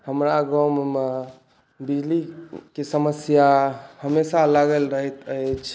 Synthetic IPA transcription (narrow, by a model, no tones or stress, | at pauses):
həmɾaɡawmeme | bid͡ʒlikesəməsjahəmesalaɡəlɾəɦət̪ət͡ʃʰ